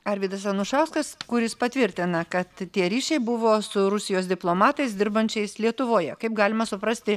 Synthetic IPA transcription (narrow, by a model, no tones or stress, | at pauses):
ɐɾʲʋʲiːd̪ɐsɐnʊʃɑʊskɐskʊɾʲjɪspɐt̪ʲʋʲɪɾʲt̪ʲɪnɐkɐt̪tʲiɛɾʲiːʃʲɛɪbʊʋoːsʊɾʊsʲɪjoːsd̪ʲɪplˠoːmɑːt̪ɐɪsd̪ʲɪɾbɐnʲt͡ʃʲɛɪslʲiɛt̪ʊʋoːjɛkɐɪpɡɑːlʲɪmɐsʊpɾɐsʲt̪ʲɪ